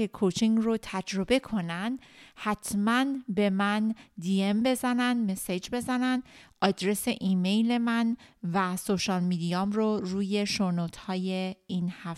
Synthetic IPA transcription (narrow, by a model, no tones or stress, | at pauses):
ekʰot͡ʃʰiŋɡrot̪ʰæd͡ʒɾo̞be̞kʰo̞nænd̪hæt̪ʰmænbe̞mænd̪iembe̞zænænd̪mesed͡ʒbe̞zænænd̪ɒːd̪ɾe̞se̞ʔiːme̞jle̞mænvæsoʃɒːlmid̪ijɒːmɾoruːje̞ʃoɾnot̪ʰhɒːjeiːnhæf